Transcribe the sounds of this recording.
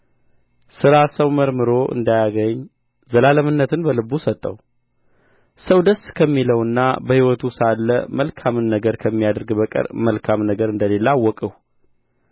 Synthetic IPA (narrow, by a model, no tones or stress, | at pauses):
sɨɾasəwməɾmɨɾo̞ʔɨ̰nd̪ajaɡəɲː | zəlaləmɨnːət̪ɨnbəlɨbusət̪ʼːə̰w | səwd̪əskʰəmːiləwɨnːa̰bəhiwɔt̪ʰusalːə̰məlkʰamɨnːəɡəɾkʰəmːijad̪ɨɾɡbəkʼɨ̰ɾməlkʰamnəɡəɾɨnd̪əle̞lːawːɔkʼəw